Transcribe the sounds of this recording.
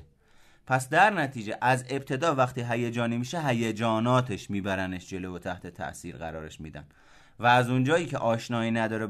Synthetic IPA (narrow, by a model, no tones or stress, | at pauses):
pʰæsd̪æɾnæt̪ʰiːd͡ʒe̞ʔæze̞b̚t̪ʰe̞d̪ɒːvæxt̪ʰiːɦæjed͡ʒɒːniːmiːʃeɦæjed͡ʒɒːnɒːt̪ʰeʃmiːbæɾæneʃd͡ʒe̞lovot̪ʰæht̪ʰe̞t̪ʰæ̰ʔsiːɾɣæɾɒːɾeʃmḭːd̪æ̰n | væːzund͡ʒɒːjiːcʰḛʔɒːʃnɒːiːnæd̪ɒːɾe